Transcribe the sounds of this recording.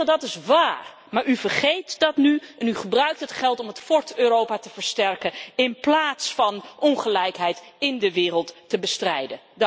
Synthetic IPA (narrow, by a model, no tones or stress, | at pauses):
dɑtɪsʋaːɹ | maːɹyvəɹχejtdɑtnyɛnyχəbrœɥk̚tɦətχɛlˠtɔmətfɔɹtøːrowpaːtəvəɹstɛɹkəɪnplaːtsfɑnʔɔnχəlɛjkɦɛjtɪndəʋɪːrəlˠtːəbəstrɛjdə | d